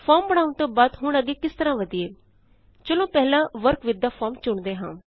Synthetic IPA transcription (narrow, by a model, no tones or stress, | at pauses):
pʰaːɾmbəɽ̃aːʊɳt̪õːbaːd̪ɦʊɳəɡeːkɪst̪əɾãːʋəd̪ieː | t͡ʃəlõːpɛɦlãːʋəɾkʋɪd̪ːaːpʰɔːɾmt͡ʃʊɳd̪eːɦã̰ː